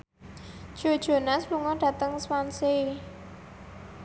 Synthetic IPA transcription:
d̥ʒ̥o̤d̥ʒ̥o̤nasluŋɔɖ̥ä̤t̪əŋswanse

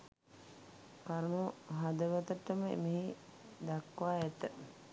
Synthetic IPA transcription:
kaɾmoɦad̪əʋət̪əʈːəməḛmeɦi | d̪akʋaːɛt̪ə

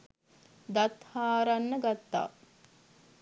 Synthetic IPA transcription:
d̪at̪haːɾanːəɡat̪ːa̰ː

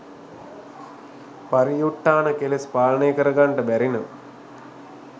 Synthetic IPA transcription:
pɐɾijuʈːaːɳɐkelispaːlɐɳeːkəɾɐɡɐɳɖɐbɛɾinɐʋ

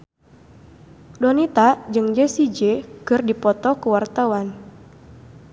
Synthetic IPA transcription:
dɔnit̪ad͡ʒɨŋd͡ʒɛsid͡ʒekɨrdipɔt̪ɔkəwart̪awan

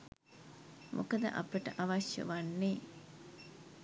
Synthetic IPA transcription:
mʔokəd̪ə̰ʔapeʈə̰ʔaʋaʃjɐ̰ʋanːeː

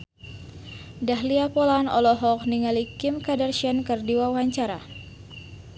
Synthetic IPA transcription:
daɦliapɔlanɔ̰lɔɦɔk̚niŋalikɪmkadərʃɛnkərdiwawaɲt͡ʃaɾa̰

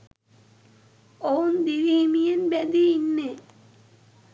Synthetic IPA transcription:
ownd̪iʋiːmijenbæd̪iinːe

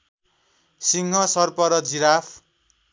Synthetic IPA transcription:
siŋɦʌsʌrpʌɾʌd͡ziɾapʰ

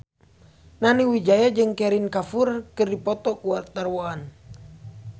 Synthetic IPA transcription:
naniwid͡ʒajad͡ʒɨŋkɛɾinkafurkɨrdipɔt̪ɔkuat̪arwoan

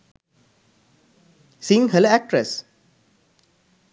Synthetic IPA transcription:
sĩŋɦəlæk̚ʈɾes

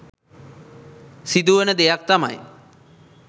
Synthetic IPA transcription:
sid̪uʋənəd̪ejak̚t̪ama̰j

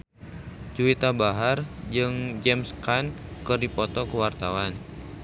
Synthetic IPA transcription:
t͡ʃuit̪abaɦard͡ʒɨŋd͡ʒɛmskankɨrdipɔt̪ɔkəwart̪awan

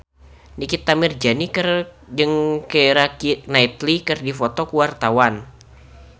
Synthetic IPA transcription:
nikit̪ːamɪrd͡ʒanikər | d͡ʒɨŋkəɾakinait̪likɨrdifɔt̪ɔkuwart̪awan

